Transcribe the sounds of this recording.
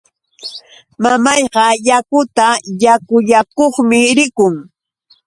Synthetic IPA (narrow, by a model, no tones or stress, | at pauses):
mamɑjɢɑjakʊt̪ajakʊjakoχmɪɾɪkʊŋ